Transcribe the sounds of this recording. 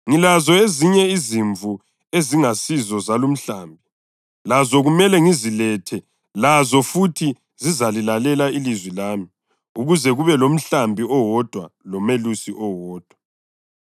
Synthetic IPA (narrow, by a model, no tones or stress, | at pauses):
ŋilazɔeziɲɛiziɱvu | eziŋasizɔzalum̩ɬaːmbʱi | lazɔɣumɛlɛŋizilɛtʰɛ | lazɔfutʰi | zizalilalɛlailizwilaːmi | uɣuzɛɣuβɛlom̩ɬambʱiɔwɔd̥ʱwalɔmelusiʔɔwɔːd̥ʱwa